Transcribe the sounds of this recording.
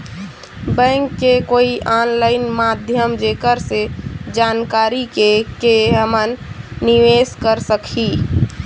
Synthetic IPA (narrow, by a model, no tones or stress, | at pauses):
bɛ̃ŋkːekoiʔanlaɪnmad̪ʱjəmd͡ʒekəɾsed͡ʒankaɾikekeɦəmənːiʋeskəɾsəkʰi